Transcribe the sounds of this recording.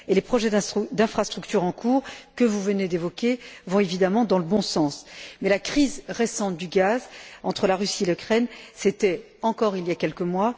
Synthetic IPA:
elepχɔʒɛd̪ɛ̃d̪ɛ̃fχast̪χyk̚t̪yʁɑ̃kʰuːʁkəvuvəned̪evɔkʲevɔ̃evid̪amɑ̃d̪ɑ̃ləbɔ̃sɑ̃smɛlakχizʁesɑ̃t̪̚d̪yɡazɑ̃t̪χəlaʁysielykχɛnset̪ɛ | ɑ̃kɔʁiljakʲɛlkəmwa

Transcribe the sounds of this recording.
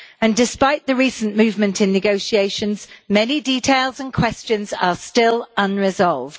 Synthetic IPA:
ə̃ndɪspaɪʔðəɹiˑsə̃nmʉːvmə̃ntʰɪ̃nːɪɡoʊʃieɪʃə̃nz̥mɛniditʰeɪlˠzə̃nkʰw̥ɛst͡ʃə̃nzəstɪlʌ̃nɹɪzɒlˠvd̥

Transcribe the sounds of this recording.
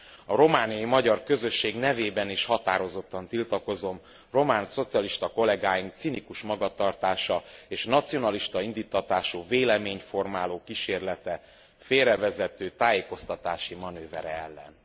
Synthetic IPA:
ɒɾo̞maːnijɒjimɒɟɒrkø̞zø̞ʃːeːɡnɛveːbɛniʃhɒt̪aːɾo̞zo̞t̪ːɒnt̪ilt̪ɒko̞zo̞m | ro̞maːnso̞t̪siɒliʃt̪ɒko̞lɛɡaːjim̚t̪sinikuʃmɒɡɒt̪ɒrt̪aːʃɒeːʃnɒt̪sijo̞nɒliʃt̪ɒind̪iːt̪ːɒt̪aːʃuːveːlɛmeːɲfo̞rmaːloːkiʃeːrlɛt̪ɛ | feːɾɛvɛzɛt̪øːt̪aːjeːko̞st̪ɒt̪aːʃimɒnøːvɛɾɛɛlːɛ̰n

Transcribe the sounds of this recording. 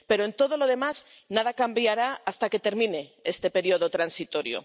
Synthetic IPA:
pe̞ɾoent̪o̞ð̞o̞lo̞ðe̞maz | naðakambjaɾaast̪ake̞t̪e̞ɾmĩne̞est̪e̞pe̞ɾjoðo̞t̪ɾansit̪o̞ɾjo̰

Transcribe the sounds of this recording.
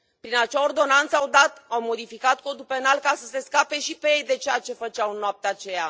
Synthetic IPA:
pɾinat͡ʃeao̞rd̪o̞nant̪səawd̪at̪awmo̞d̪ifikat̪̚ko̞d̪ulpe̞nalkasəse̞skape̞ʃipejejd̪e̞t͡ʃeat͡ʃe̞fət͡ʃawɨnːoap̚t̪eat͡ʃe̞ja̰

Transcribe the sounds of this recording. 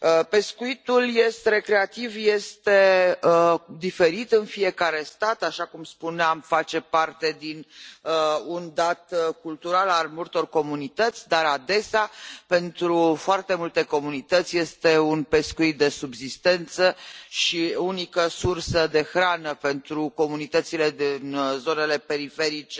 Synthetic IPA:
əpe̞skuit̪ulje̞st̪eɾe̞kɾe̞at̪ivje̞st̪e̞ | d̪ife̞ɾit̪ɨnfie̞kaɾe̞st̪at̪aʃakumspuneamfat͡ʃe̞part̪e̞d̪inəund̪at̪kult̪uɾalalmult̪o̞rko̞munit̪ət̪sʲd̪aɾad̪e̞seape̞nt̪ɾufoart̪e̞mult̪e̞ko̞munit̪ət̪sʲje̞st̪e̞unpe̞skuit̪̚d̪e̞subzist̪e̞nt̪səʃiunikəsursəd̪e̞xɾanəpe̞nt̪ɾuko̞munit̪ət̪sile̞d̪inzo̞ne̞le̞pe̞ɾife̞ɾit͡ʃe

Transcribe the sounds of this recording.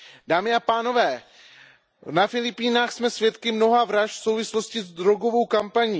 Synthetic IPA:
daːmɪapaːno̞vɛː | nafɪlɪpiːnaːxsmɛsvjɛt̪kɪmno̞ɦavɾaʃfso̞wvɪslo̞scɪzd̪ɾo̞ɡo̞vo̞wkampaɲiː

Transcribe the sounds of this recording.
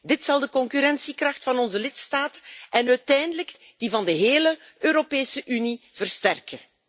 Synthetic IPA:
dɪtsɑlˠdəkɔŋkyɾɛnsikrɑxtfɑnɔnzəlɪtstaːtəɛnœːtɛjndələɡ | d̥ivɑndəɦeːlə | øːɾopeːsəʔyniv̥ərstɛrkə

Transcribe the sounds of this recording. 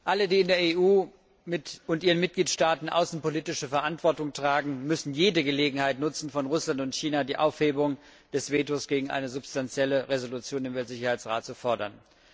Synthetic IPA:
ʔalədiːɪndeːɐeːʔuː | mɪʊntʔiːʁ̞ənmɪt̚ɡ̥liːtʃtaːtn̩ʔa̰ʊsn̩poliːtɪʃəfɛɐʔantv̥ɔɐtʊŋtʁ̥aːɡŋ̩mʏsn̩jeːdəɡəleːɡŋ̩haɪtnʊt͡sn̩fɔnʁʊslantʊntçiːnadiːʔaʊfheːbʊŋ | d̥ɛsv̥eːtosɡ̥eːɡŋ̩ʔa̰ɪnəzʊpstant͡sjɛləʁezolut͡sjoːnɪmvɛltz̥ɪçɐhaɪt͡sʁaːtt͡sufɔɐdɐ̰n

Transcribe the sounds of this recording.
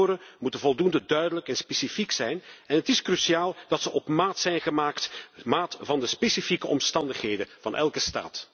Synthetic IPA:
ɾəmutənvɔlˠdundədœɥdələkɛnspesifiksɛjnɛnɦətɪskrysiaːlˠd̥ɑtsəʔɔpmaːtsɛjnɣəmaːktmaːtvɑndəspesifikəʔɔmstɑndəχɦejdəvɑnʔɛ̰lˠkəsta̰ːt

